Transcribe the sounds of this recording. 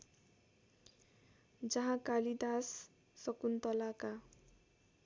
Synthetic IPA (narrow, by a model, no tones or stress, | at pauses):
d͡zʌɦãkalid̪asː | ʌkunt̪ʌlaka